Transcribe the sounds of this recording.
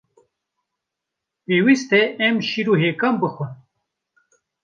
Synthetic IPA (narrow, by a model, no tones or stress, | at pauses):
peːwist̪eʔɛmʃiɾuɦeːkɐmbɨxwən